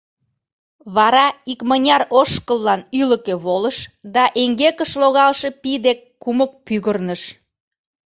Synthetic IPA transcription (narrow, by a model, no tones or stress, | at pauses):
βɑɾɑikmənʲɑɾoʃkəlːɑnyləkeβoləʃd̪ɑʔeŋɡekəʃloɣɑlʃe̽pid̪ekːumək̚pyɣərnəʃ